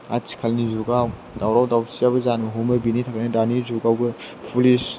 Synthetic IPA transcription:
atʰi̥kʰalnizuɡaw | dawɾawdawsijabɐzanmɐɦumɐbinitʰakanɐdanizuɡawɡɯ | pʰulis

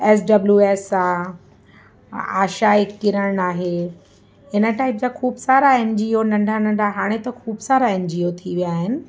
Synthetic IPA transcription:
ɛːs̬ɖɐbljueːsa | aːʃaːɪkːɪɾəɽ̃aːɦe | ɪnə̆ʈaːɪp̚d͡ʑaːkʰuːbsaːɾaẽːnd͡ʑionɐ̃ɳɖʱanɐ̃ɳɖʱaɦaːɽ̃et̪ɐkʰuːbsaːɾaẽːnd͡ʑiot̪ʰiʋijaːɦɪnɪ̆

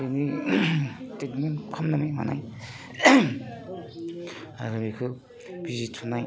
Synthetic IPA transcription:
ɾini | stetmenkʰɔmnamajma̰na̰j | a̰ɾɯmikʰɯ | bizitʰunaj

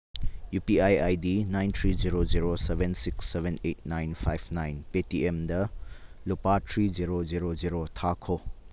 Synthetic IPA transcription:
jupiajajdinajntʰɾiziɾoziɾosebensiksːebʱenet̚najnpʰajbʰnajnpetiemdɐlupatʰɾiziɾoziɾoziɾotʰakʰo

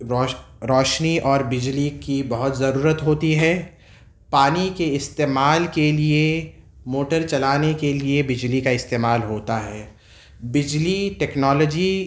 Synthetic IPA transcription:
ɾɔːʃniɔːɾbɪd͡ʒlikibɐɦʊt̪zɐɾuːɾət̪ɦoːt̪iɦɛː | paːnikeɪst̪eːmaːlkelie | moːʈəɾt͡ʃɐlaːnekeliebɪd͡ʒlikaɪst̪eːmaːlɦoːt̪aɦɛː | bɪd͡ʒliʈɛːknɔːləd͡ʒi

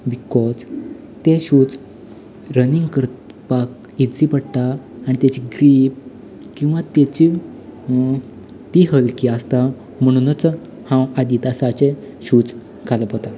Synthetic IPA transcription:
bikɔd͡z | t̪eɕud͡z | ɾəniŋɡkəɾ | pak̚ | id͡zipəɽt̪aː | ñit̪at͡ɕiɡɾip̚ | kĩw̃ʋãt̪et͡ɕi | t̪iɦəlkiast̪a | m̤əɽ̃unət͡s | hãwad̪it̪asat͡ɕe | ɕud͡z | ɡʰʱaləpɦot̪a

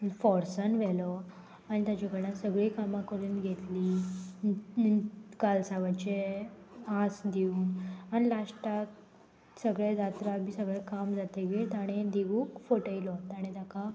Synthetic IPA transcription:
fɔɾsanʋɛlɔ | aɽ̃it̪jat͡ɕakəɾnasəɡɭikamakəɾuːnɡʱet̪liː | kalsaʋat͡ɕe | asd̪iuːnañilasʈak | səɡɭed̪at̪ɾabʱiːsəɡɭɛkamd͡zat̪eɡet̪aɽ̃ed̪iʋuːkfoʈəjlɔt̪aɽ̃it̪jaka

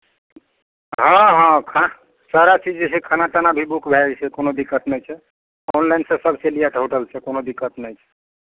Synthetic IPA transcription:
ɦə̃ɦãkʰ | saɾat͡ʃid͡ʒt͡ʃʰekʰənat̪anabʱibukbʱɛt͡ʃʰɛkonod̪ikːət̪nəjt͡ʃʰɛ | ɔnlajnsẽsəbʱselijaʈɦoʈəlt͡ʃʰɛkonod̪ikːət̪nəjt͡ʃʰɛ̥

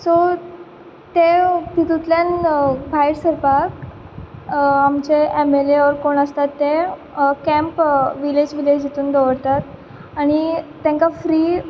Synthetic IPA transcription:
so | t̪ep̪it̪ut̪ljanbʱajɾsəɾpak | amt͡ɕeemeleʋəɾkoɳəst̪at̪ːe | kɛ̃mpʋiled͡ʑʋiled͡ʑit̪uːnd̪əʋəɽt̪at̪ | aɽ̃it̪ːẽŋkafɾiː

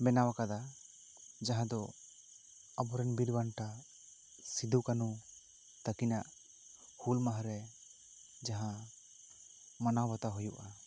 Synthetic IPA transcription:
mɛnawakad̪a | d͡ʒaɦãd̪ɔ | abɔɾɛnbiɾbanʈa | sid̪ukanu | t̪akinaʔ | hulmaɦaɾɛ | d͡ʒaɦã | manawbɔt̪aɦujuʔa

